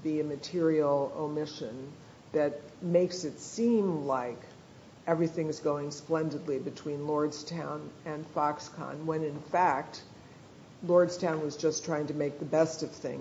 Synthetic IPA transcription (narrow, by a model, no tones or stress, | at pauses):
ðiɨmɨtʰɪɹil̩ˠoʊmɪʃɨ̃n | ðɨt̚meɪksɨtsĩmlaɪk | ɛvɹiθɪ̃ŋɨzɡoʊɪ̃ŋsplɛ̃ndɨdˡlibɨtʰw̥ĩnlɔɹdz̥tʰãʊ̃nɨ̃nfɑkskʰɑ̰̃nwɨ̃nɨ̃nfæk̚t̚ | lɔɹdz̥tʰãʊ̃nwʌzd͡ʒʌstʰaɪɪ̃ŋtʰɨmeɪk̚ðɨbɛstʌv̥θɪ̰̃ŋ